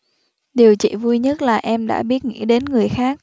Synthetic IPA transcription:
ɗi˨˩əwt͡ɕḭ˧˨vu˧jɲə˦˥t̚laː˨˩ʔɛ˧mɗa̰ː˧˥ɓi˦˥ət̚ŋḭ˧˥ɗe˨˦nŋɨ˨˩əjxaː˦˥k̚

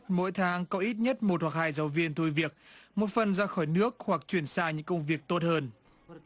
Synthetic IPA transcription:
t̚mo̰˧˥jt̪ʰaː˨˦ŋkɔ˨˦ʔi˦˥t̚ɲə˦˥t̚mo˨˩t̚hwa˨˩k̚haː˧jzaː˨˦wvi˧ənt̪ʰu˧jvi˨˩ək̚mo˨˩t̚fə˨˩nzaː˧xɔː˧˩jnɨ˦˥ək̚hwa˨˩k̚t͡ɕwi˧˩ənsaː˧˩ɲɨ̰˧˥ŋkə˧wŋ͡mvi˨˩ək̚t̪o˦˥t̚həː˧n

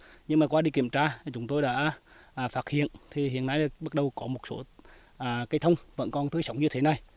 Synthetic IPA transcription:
ɲɨ˧ŋmaː˨˩kwaː˧ɗi˧ki˧˩əmt͡ɕaː˧˨˩t͡ɕʊ˨˦ŋ͡mt̪o˧jɗa̰ː˧˥ | ʔːfaː˦˥t̚hḭ˧˨ənt̪ʰi˨˩hḭ˧˨ənʔa˧˩jɓə˦˥t̚ɗə˨˩wkɔ˨˦mo˨˩t̚so˧˦ | ʔaː˨˩ka˨˦jt̪ʰə˧wŋ͡mvə̰˧˥nkɔ˧˩nt̪ɨ˨˦jsə˨˦wŋ͡mɲɨ˧t̪ʰe˨˦na˨˩j

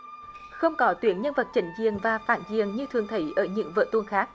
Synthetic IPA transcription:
xə˧wŋ͡mkɔ˨˦t̪wi˨˦ənɲə˧nvə˨˩t̚t͡ɕə˨˦ŋ̟zi˨˩əŋvaː˨˩fa̰ː˧˨nzi˨˩əŋɲɨ˧t̪ʰɨ˨˩əŋt̪ʰə˨˦jʔəː˧˩ɲɨ̰˧˥ŋvə̰ː˧˨t̪u˧ənxaː˦˥k̚

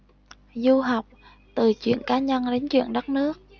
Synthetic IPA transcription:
zu˧ɦa˨˩wk͡p̚ | t̪ɨ˨˩t͡ɕwḭ˧˨ənkaː˨˦ɲə˧nɗe˨˦nt͡ɕwḭ˧˨ənɗə˦˥t̚nɨ˦˥ək̚

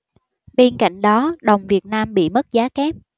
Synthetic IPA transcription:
ɓe˧nka̰˧˨jŋ̟ɗɔ˨˦ɗə˨˩wŋ͡mvi˨˩ət̚naː˧mɓḭ˧˨mə˦˥t̚zaː˨˦kɛ˦˥p̚

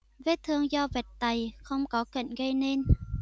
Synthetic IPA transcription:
ve˨˦t̪ʰɨ˧əŋzɔ˧vɛ˨˩t̚t̪a˨˩jxə˧wŋ͡mkɔ˨˦kə̰˧˨ŋɣə˧jne˧n

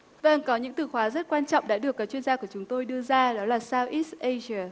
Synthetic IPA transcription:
və˧˩nkɔ˨˦ɲɨ̰˧˥ŋt̪ɨ˨˩xwaː˨˦zə˦˥t̚kwaː˧nt͡ɕɔ̰˧˨wŋ͡mɗa̰ː˧˥ɗɨ˨˩əkːaː˨˦k̚t͡ɕwi˧ənzaː˧ku˧˩ət͡ɕʊ˨˦ŋ͡mt̪o˧jɗɨ˧əzaː˧ɗɔ˨˦laː˨˩saː˧wʔi˦˥tʔe˧za˧˩

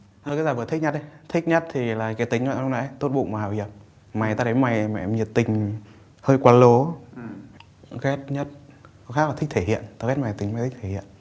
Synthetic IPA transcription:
ə˧˩kaː˨˦za˨˩vt̪ʰï˦˥k̚ɲə˦˥t̚ə˨˦t̪ʰï˦˥k̚ɲə˦˥t̚t̪ʰi˨˩laː˨˩kaː˨˦jt̪ï˨˦ŋ̟zw̰na̰˧˦t̪o˦˥t̚ɓṵ˧˨ma˨˩haː˨˩wzi˨˩p̚ | ma˨˩jt̪aː˧ɗə˨˦jma˨˩jmɛ̰˧˨˧mɲi˨˩ət̚t̪ï˨˩ŋ̟ | həː˧jkwaː˨˧˦nlo˨˦ | ɣɛ˦˥t̚ɲə˦˥t̚ | xa˦˥k̚lːʰï˦˥k̚t̪ʰe˧˩hḭ˧˨ənt̪aː˧ɣɛ˦˥t̚ma˨˩i˨˦ma˨˩t̪ʰi˦k̚t̪ʰe˧˩hḭ˧˨ən

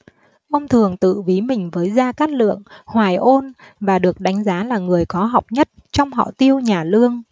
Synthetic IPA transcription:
ʔo˧nt̪ʰɨ˨˩əŋt̪ɨ̰˧˨vi˨˦mï˨˩ŋ̟vəː˨˦jzaː˧kaː˦˥t̚lɨ̰˧˨əŋhwaː˨˩jʔo˧n | vaː˨˩ɗɨ˨˩ək̚ɗa˨˦ŋ̟zaː˨˦laː˨˩ŋɨ˨˩əjkɔ˨˦ɦa˨˩wk͡p̚ɲə˦˥t̚t͡ɕɔ˧wŋ͡mɦɔ̰˧˨t̪i˧əwɲaː˨˩lɨ˧əŋ

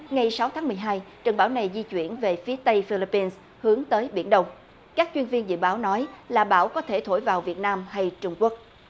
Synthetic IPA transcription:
ŋa˨˩jsa˨˦wt̪ʰaː˨˦ŋmɨ˨˩əjɦaː˧jt͡ɕə̰˨˩ŋɓaː˧˦wna˨˩jzi˧t͡ɕwḭ˧˩ənve˨˩fi˨˦ət̪ə˧jfi˧li˧pːi˧ns | hɨ˨˦əŋt̪əː˨˦jɓḭ˧˩ənɗə˧wŋ͡m | kaː˦˥k̚t͡ɕwi˧nvi˧ənzɨ̰˧˨ɓaː˨˦wnɔ˨˦jlaː˨˩ɓaː˧˩wkɔ˨˦t̪ʰe˧˩t̪ʰo̰˧˩jvaː˨˩wvi˨˩ət̚naː˧mɦa˧jt͡ɕʊ˧ŋ͡mku˦˥ək̚

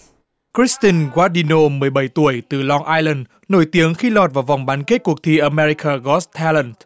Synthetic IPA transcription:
kɾi˦˥st̪i˧nɣwaː˦˥ɗi˧no˧mɨ˨˩əjɓə˧˩jt̪u˧˩əjt̪ɨ˨˩lɔ˧ŋʔaː˧jlə˨˩n | no˧˩jt̪i˨˦əŋxi˧lɔ˨˩t̚vaː˨˩wva˨˩wŋ͡mɓaː˨˦nke˦˥t̚ku˨˩ək̚t̪ʰi˧ʔə˧mɛ˧ɾi˧kaː˧˩ɣɔ˦˥st̪ʰa˧lə˨˩nt

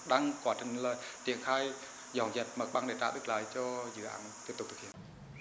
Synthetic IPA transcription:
ɗaː˧ŋkwaː˨˦t͡ɕï˧˨˩ŋ̟laː˨˩t̪i˨˧˩ənxaː˧j | zɔ˨˩ŋzə˨˩t̚mə˨˩k̚ɓaː˧ŋɗe˧˩t̪a̰ː˧˨ɗ̪ɨ˦˥k̚laː˨˦jt͡ɕɔ˧zɨ̰˧˨ʔa̰ː˨˦nt̪i˧˥əpt̪ʊ˨˩t̪ʰɨ˨˩hḭ˧˨ə˨

